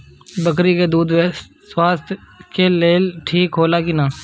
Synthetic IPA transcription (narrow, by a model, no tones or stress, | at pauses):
bəkɾiked̪uːd̪we | swaːst̪ʰjkeleːʈʰiːkɦoːlakinaː